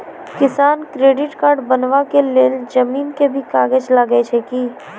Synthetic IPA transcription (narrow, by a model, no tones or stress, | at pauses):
kɪsaːnkɾeːɖɪʈkaːɾɖbənʋakeleːld͡ʒɐmiːnkebʱikaːɡəd͡ʒlaɡet͡ʃʰekiː